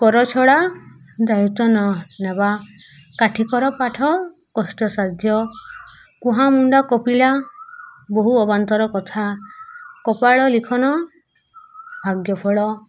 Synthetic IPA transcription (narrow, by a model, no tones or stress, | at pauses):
kɔɾɔt͡ʃʰɔɽa | d̪ajut̪ɔnɔnaba | kaʈʰikɔɾɔpaʈʰɔ | kɔsʈɔsaɾd̪ʱjɔ | kuɦamuɳɖakɔpiɭa | boɦuɔbant̪ɔɾɔkɔt̪ʰa | kɔpaɭɔlikʰɔnɔ | bʱaɡjɔpʰɔɭɔ